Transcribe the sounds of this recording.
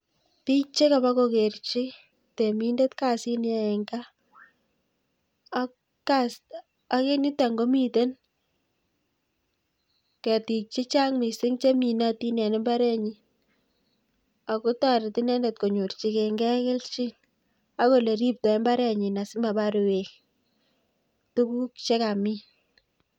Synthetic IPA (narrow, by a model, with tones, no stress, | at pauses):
ti˦kt͡ʃe˦ka˨ba˦kokert͡ʃi˦ | te˨mi˦nde˦tka˦si˦n˦a˨e˨ŋɡa˦ | kas | a˦ke˦ni˦ta˨ŋɡo˦mi˦te˦n | kɛ˨ti˨k̚t͡ʃi˦t͡ʃa˦ŋmi˨sɪ˦ŋt͡ʃe˦mi˨na˦ti˦nɛ˨ne˦mba˦ɾɛ˦ɲi˦ | a˨ku˦ta˦ɾe˨ti˦nɛ˦nde˨t̚ko˨ɲu˨rt͡ʃi˦ke˨ŋɡɛ˦kɪ˦lt͡ʃi˦ | a˦ko˨le˨ɾi˦p̚tɔ˨ɛ˦mba˦ɾɛ˦˨ɲi˨na˨sɪ˦ma˨ba˦ɾu˨we˨k | tu˦bu˦kt͡ʃe˦ka˨mi˦